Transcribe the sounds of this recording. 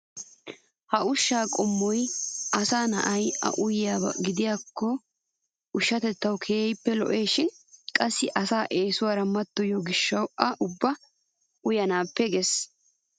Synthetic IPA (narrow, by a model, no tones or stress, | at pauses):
hɐʊʃːaːkʼɔmːɔjɐsaːnɐ̰ʔɐjʔɐ̰ʔʊjɪjaːbɐɡɪd̪ɪjaːkʰːɔ | ʊʃːɐt̪ɛt̪ːɐwkʰeːɛjpːɛlɔ̰ʔeːʃɪnkʼɐsːɪʔɐsaːʔe̞ːsʊwaːɾɐmɐt̪ːɔjɔɡɪʃːɐwɐʔʊbːɐ | ʊjɐnaːpːɛɡes